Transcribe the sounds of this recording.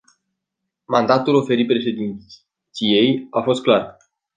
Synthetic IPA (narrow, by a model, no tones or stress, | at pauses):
mand̪at̪ulo̞fe̞ɾit̪̚pɾe̞ʃe̞d̪in | t̪sije̞jafo̞st̪̚klar